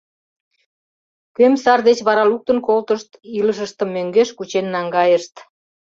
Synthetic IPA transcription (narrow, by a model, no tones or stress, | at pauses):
kømsɑrd̪et͡ɕβɑɾɑluk̚t̪ənkolt̪əʃt̪iləʃ̬əʃt̪ə̆mːøŋɡeʃkut͡ɕenːɑŋɡɑjəʃt̪